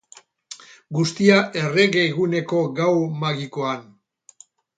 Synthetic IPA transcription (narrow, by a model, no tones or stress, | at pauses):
ɡust̪iaʔe̞re̞ɣeɣune̞ko̞ɣawmaɣiko̞an